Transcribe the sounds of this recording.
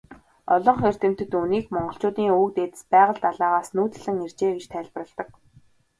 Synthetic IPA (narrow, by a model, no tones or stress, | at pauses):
ɔɮɞ̆ɴχer̥t̪ɘ̆m̥t̪ɘ̆t̪uniːkmɔɴɢɞ̆ɬt͡ɕʊːt̪iːŋukt̪et̪ɘ̥̆spæːʁə̆ɮt̪aɮaːʁaːsnuːt̪ɘ̆ɮɘ̆ŋer̥t͡ɕeːɡet͡ɕt̪ʰæːɮp̆rə̆ɮt̪ə̆k̚